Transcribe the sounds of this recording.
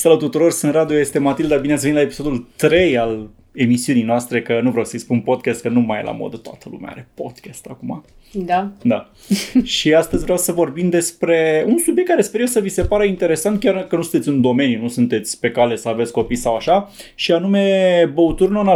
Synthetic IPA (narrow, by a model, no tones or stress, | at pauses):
sələt̪ut̪uɾo̞rsɨnrad̪iojest̪e̞mat̪ild̪abinet̪s̬venilaepi̥so̞d̪ult̪ɾe̞jal | e̞misiunijnoast̪ɾe̞kənuvɾeawsəijspunpo̞d̪̚kʲast̪̚kənumajela̰mo̞̰d̪ət̪oa̰t̪ʰəlṵmḛɛ̰a̰ɾe̞po̞d̪̥kʲast̪akuma̰ | d̪ad̪a | ʃiast̪əzʲvɾeawsəvo̞rbimd̪e̞spɾe̞unsubjek̪̚ːkːaɾespeɾiosəvise̞paɾəint̪e̞ɾe̞sant̪̚kʲarkənusunt̪et̪sʲɨnd̪o̞me̞njunusunt̪e̞t̪sʲpe̞kale̞səave̞t̪sʲko̞pijsawaʃaʃianume̞bəut̪urnona